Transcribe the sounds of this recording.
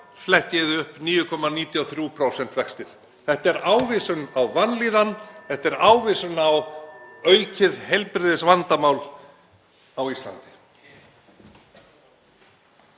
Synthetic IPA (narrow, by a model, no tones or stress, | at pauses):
flɛhc̪ːɪðʏhpniːjʏkʰɔmːaniːt̪jɔθɾjupʰɾowsɛnt̪vɛkst̪ɪl | θɛht̪ɛɾaːwvisʏnawvanliːðanθɛht̪ɛɾaːwvɪsʏnawœːɥcɪðhejlpɾɪðɪsvant̪amaːwl | awist̪la̰nt̪ɪ̥